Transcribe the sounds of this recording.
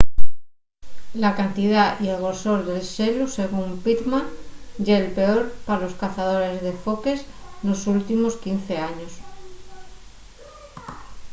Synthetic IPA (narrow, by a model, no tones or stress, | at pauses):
lakant̪iðaie̞lɣo̞ɾso̞ɾðe̞lʃe̞luse̞ɣ̞umpit̪mãnɟ͡ʝelpe̞o̞ɾpaɾalo̞skaθað̞o̞ɾe̞zðe̞fo̞ke̞sno̞sult̪imo̞skin̟θe̞aɲo̞s